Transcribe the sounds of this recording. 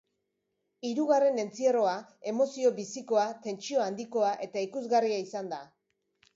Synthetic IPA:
iɾuɣare̞ne̞nt͡sie̞ro̞ae̞mo̞sio̞βisiko̞at̪e̞nt͡ʃio̞and̪iko̞aʔe̞t̪aikuzɣariaisand̪a

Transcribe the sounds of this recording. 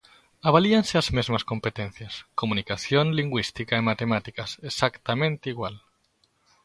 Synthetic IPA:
aβ̞alianseazmezmaskompet̪ẽnθjaskomũnikaθjonliŋɡwist̪ikaemat̪emat̪ikasesakt̪amẽnt̪eiɣwal

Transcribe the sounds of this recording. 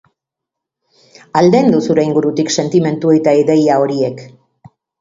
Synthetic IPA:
ald̪e̞nd̪usuɾe̞iŋɡuɾut̪ikse̞nt̪ime̞nt̪ue̞t̪aiðe̞jao̞ɾie̞k

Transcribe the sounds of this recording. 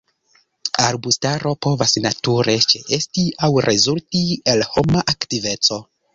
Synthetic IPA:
aɾbustaɾo̞po̞vasnatuɾe̞t͡ʃe̞ʔe̞stiawɾʔezultielho̞maʔaktive̞t͡so̞

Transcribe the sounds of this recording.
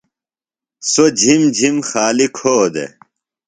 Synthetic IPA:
sod͡ʑʱimd͡ʑʱimxaːlikʰoːd̪ḛ

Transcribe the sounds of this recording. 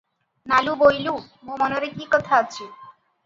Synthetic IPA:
nalubojlu | momɔnoɾekikɔt̪ʰaat͡ɕʰe

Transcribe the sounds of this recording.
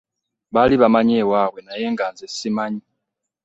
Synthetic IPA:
βaliβamaɲewaβwenajeːŋɡanzesimaɲi

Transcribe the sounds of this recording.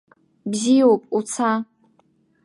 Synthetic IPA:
bzijopʼut͡sʰa

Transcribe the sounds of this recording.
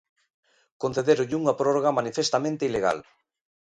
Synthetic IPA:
konθeðeɾoʎuŋɐpɾoroɣamanifest̪amẽnt̪eileɣ̞a̰l

